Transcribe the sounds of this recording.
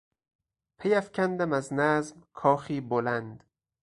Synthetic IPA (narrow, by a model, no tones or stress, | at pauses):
pʰejæfcʲʰænd̪æmæznæzmkʰɒːxiːbolænd̪̥